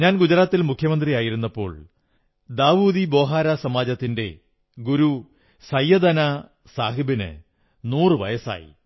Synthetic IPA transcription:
ɲaːnɡud͡ʑɐɾaːt̪ːilmukʰjɐmɐnd̪rijaːjiɾunːɐpːo̞̰ːɭ | d̪aːʋuːd̪ibo̞ːɦaːɾasɐmaːd͡ʑɐt̪ːinde̞̰ | ɡuɾu | sɐjːɐd̪ɐna | saːɦibinɨ̰ | nuːrɨʋɐ̰jɐsa̰ːjḭ

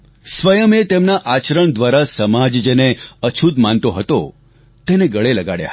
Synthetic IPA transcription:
sʋəjəmet̪emnaʔat͡ʃɾəɳd̪ʋaɾasəmad͡ʒd͡ʒeneət͡ʃʰut̪mant̪oɦət̪o | t̪eneɡəɭeləɡaɽja̰ɦ

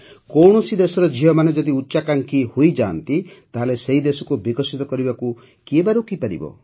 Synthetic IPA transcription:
kɔwɳ̃ɔsid̪esɔɾɔd͡ʒiɦɔmaned͡ʒɔd̪iutːʃakaŋkʰihojd͡ʒaːnt̪it̪aɦaleseid̪esɔkubikɔsit̪ɔkɔɾibaku | kiebaɾukipaɾḭbɔ̰

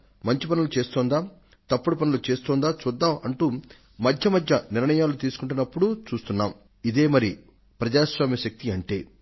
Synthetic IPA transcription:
mɐɲt͡ʃipɐnulut͡ʃe̞ːst̪oːnd̪aː | t̪ɐpːuɽɐpɐnulut͡ʃe̞ːst̪ɔːnd̪aːt͡ʃud̪ːaːɐɳʈuː | mɐd̪ʱjɐmɐd̪ʱjɐniɾɳɐjaːlut̪iːsu̥kuɳʈ̬unːɐpːuɽut͡ʃuːst̪unːa̰ːm | id̪e̞ːmɐɾi | pɾɐd͡ʒaːʃʋaːmjɐʃɐk̚t̪iɐɳʈe̞ː

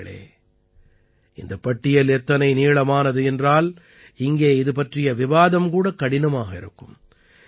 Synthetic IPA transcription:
ɐɭḛː | ɪnd̪ɐpːɐʈːɪjɐlɛt̪ːɐnɐɪniːɭɐmaːnɐðɯɛndraːl | ɪŋɡeːɪðɯp̬ɐʈrɪjɐʋɪʋaːðɐmkuːɽɐkːɐɽɪnɐmaːɣɐɪ̰ɾɯ̰kːɯm

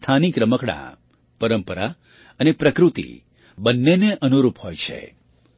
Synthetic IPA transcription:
t̪ʰanikɾəməkɽã̰ | pəɾəmpəɾa̰ | ənepɾəkɾut̪ḭ | bənːeneʔənuɾuphojt͡ʃʰḛ

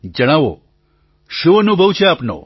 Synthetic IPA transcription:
d͡ʒəɽ̃aːʋo̰ | ʃuʋənũbʱəwt͡ʃʰeaːpnõ̰

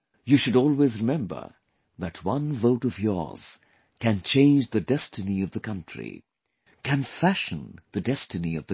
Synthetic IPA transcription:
jɨʃɨɾɔlˠwezɹɨmɛ̃mbə̰˞ | ðɨt̚ʰwʌ̃nvoʊɾʌvjɔ̰ɹz̥ | kɨ̃nt͡ʃʰẽɪ̃nd͡ʒðɨdɛstʰɨniʌvðɨkʰʌ̃nt͡ʃɹ̥ḭ | kʰɨ̃nfæʃɨ̃nðɨdɛstɨniʌvðɨ

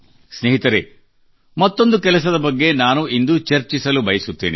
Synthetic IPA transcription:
sneːɦit̪ɐɾe | mɐt̪ːo̞nd̪ukɛlɐs̬ɐd̪ɐbɐɡːe̞naːnuind̪ut͡ʃɐɾt͡ʃisɐlubɐjisut̪ːḛːnḭ

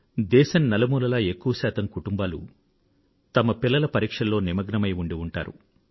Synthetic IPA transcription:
d̪ɛːʃɐnnɐlɐmuːlɐlaːe̞kːuʋɐsaːt̪ɐmkuʈumbaːlṵ | t̪ɐmɐpilːɐlɐpɐɾiːkʂɐlːo̞ːnimɐɡnɐmɐjuɳɖiuɳʈa̰ːɾṵ

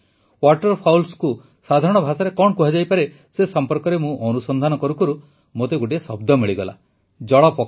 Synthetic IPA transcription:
waʈɔɾpʰawlsku | sad̪ʱaɾɔɽ̃ɔbʱasaɾekɔɳkuɦad͡ʒajpaɾe | sesɔmpɔɾkɔɾemũʔɔnusɔnd̪ʱanɔkɔɾukɔɾu | mot̪eɡoʈiesɔbd̪ʱɔmiɭiɡɔla̰ | d͡ʒɔɭɔpɔ

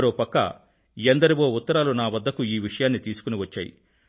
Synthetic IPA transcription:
ɾoːpɐkːɐ̰ | jend̪ɐɾiʋo̞ːut̪ːɐɾaːlunaːʋɐd̪ʱːɐkuiːʋiʂɐjaːnːit̪iːsu̥kuniʋɐt͡ʃːa̰ːjḭ

